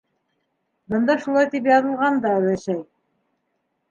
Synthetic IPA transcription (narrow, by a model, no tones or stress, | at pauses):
bɤ̆nd̪ɑʃulˠɑjt̪ipjɑðɤ̆lˠʁɑnd̪ɑæ̆wæʃæj